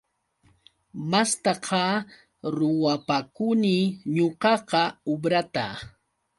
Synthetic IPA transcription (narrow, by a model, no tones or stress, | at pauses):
mast̪ɑqɑ | ɾʊwapakʊniɲoqɑqɑobɾat̪a̰